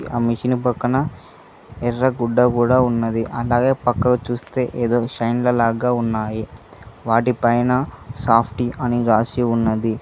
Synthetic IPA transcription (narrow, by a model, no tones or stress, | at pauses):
ʔa̰ːmiʂinipɐkːɐnɐ | ɛrːɐɡuɖːɐkuːɽaːunːɐd̪iʔɐlaːɡe̞ːpɐkːɐɡɐt͡ʃuːst̪e̞ːʔeːd̪oːʃɐjnlɐlaːɡaːunːaːjiʋaːʈipɐjnɐsaːpʰʈiʔɐniɾaːsiunːɐd̪i